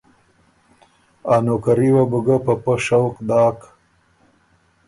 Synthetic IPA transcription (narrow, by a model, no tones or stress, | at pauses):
aːnokaɾiwabuɡapɐpəʃawkd̪ɑːk